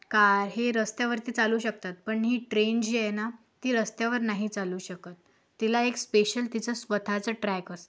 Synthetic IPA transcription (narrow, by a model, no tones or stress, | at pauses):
kaɾɦeɾəst̪jaʋəɾt̪iːt͡saluːɕək̚t̪at̪̚pəɳɦiʈɾend͡ʑijɛna | t̪iːɾəst̪jaʋəɾnaɦit͡saluːɕəkət̪ː | ilaekspeɕəlt̪it͡səsʋət̪ʰat͡səʈɾɛkəs